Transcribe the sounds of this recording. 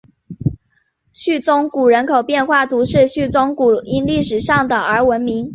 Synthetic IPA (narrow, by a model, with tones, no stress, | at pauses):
ɕy˥˩t͡sʊ˥ŋku˨˩ɻə˧˥nkʰo˨˩ʊpjɛ˥˧nxwa˥˩t̪u˧˥ʂɻ̩˥˧ɕy˥˩t͡sʊ˥ŋku˨˩i˥nli˥˩ʂɻ̩˨˩ʂɑ˥˩ŋd̪ə˩ə˞˧˥wə˧˥nmi˧˥ŋ